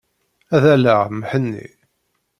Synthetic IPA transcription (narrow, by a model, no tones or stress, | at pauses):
æðælæʁməħənːḭ